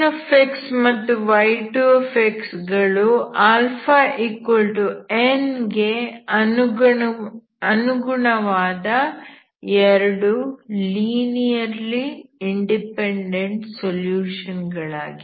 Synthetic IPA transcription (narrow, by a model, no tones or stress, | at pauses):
ɐpʰeksmɐt̪ːuʋɐjʈupʰeksɡɐɭuaːlpʰaːʔikʋolʈuenɡeɐnu | ɐnuɡuɳɐʋaːd̪ɐ | ɛɾɐɽuliːnijɐɾliiɳɖipeɳɖeɳʈsoljuːʂɐnɡɐɭa̰ːɡi